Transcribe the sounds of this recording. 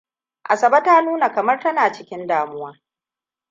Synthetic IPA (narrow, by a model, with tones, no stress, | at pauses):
ʔa˨sɐ˨bɐ˦taː˦nuː˦na˨kɐ˨mɐ˦rtɐ˦naː˨t͡ʃɪ˦kʲɪ˦ndaː˨mʊ˦waː˦